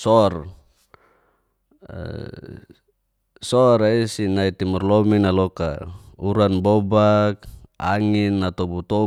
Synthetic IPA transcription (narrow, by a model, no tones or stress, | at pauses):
sɔr | sɔɾaisinait̪imurlɔminalɔka̰uɾanbɔbak̚aŋinːat̪ɔbut̪ɔ